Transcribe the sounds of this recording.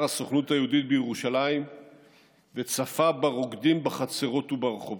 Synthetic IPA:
asoχnuthajeudit̪̚bejeʁuʃalaim | vet͡safabaʁo̞ɡd̪imbaχat͡se̞ʁo̞tubaʁeχov

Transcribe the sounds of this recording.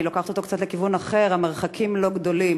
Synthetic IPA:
ilokaχt̪ot̪okt͡sat̪le̞kivunaχe̞ʁhame̞ʁ̞χakʰimlo̞ɡd̪o̞lim

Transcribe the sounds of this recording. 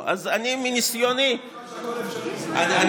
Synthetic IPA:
ʔa̰zaniminisjoni | aa

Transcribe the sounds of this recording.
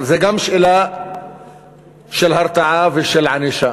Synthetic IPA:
zeɡamʃʔɪla | ʃɪlɦɑɾˤt̪aʕavɪʃɪlʕaniʃa

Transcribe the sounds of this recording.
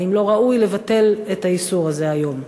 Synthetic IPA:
imlo̞ʁaujle̞vat̪e̞let̪aisuʁazeajo̞m

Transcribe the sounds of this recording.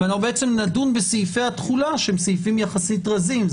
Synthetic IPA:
anaχubeet͡semnadunbesijfejat̪χulaʃhemsijfimjaχasitʁazim

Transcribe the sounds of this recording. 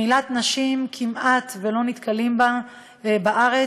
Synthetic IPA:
ilat̪naʃimkʰimʔat̪velo̞nit̪kʰalimba | baʔaʁe

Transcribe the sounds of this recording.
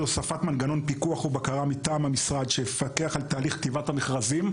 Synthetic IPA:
losafat̪manɡano̞npikuaχubakaʁamitaːmhamisʁad̪ʃeefake̞aχalt̪aːliχkt̪ivathameχʁazim

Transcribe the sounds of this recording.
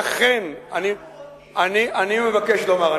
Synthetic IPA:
aχenani | ʔaniʔanimevake̞ʃlomaʁa

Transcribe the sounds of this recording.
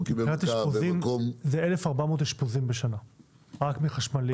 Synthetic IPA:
nat̪iʃpozimkomzeelefaʁbamot̪hiʃpozimbeʃana | ʁakmiχaʃmali

